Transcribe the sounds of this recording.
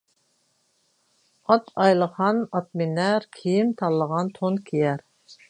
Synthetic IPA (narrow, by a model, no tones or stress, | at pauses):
ɑt̪ʰɑjlˠəχɑnɑt̪̚minɛɾkʲʰijimt̪ʰɑlˠːəʁɑnt̪ʰonkʲʰijɛɾ